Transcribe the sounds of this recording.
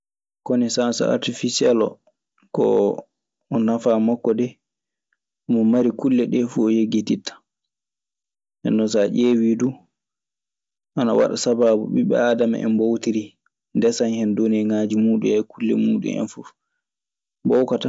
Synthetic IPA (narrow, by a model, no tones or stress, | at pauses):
kɔnisasa̰a̰ɾtifisɛlɔ̰ | kɔ̰ | ɔnafamɔkːɔdɛ | mɔmaɾikulːɛɗɛfuɔjeɡititːḁ | ɛ̰nːɔs̬aʔeːwidu | ʔana̰wa̰ɗasabaːbuɓḭɓɛ̰aːdama̰ʔɛ̰nbowtiɾi | ndɛsanhɛndonɛŋaːd͡ʒimuːɗṵɛkulːɛ̰muːɗṵnɛ̰nfuf | bɔwkata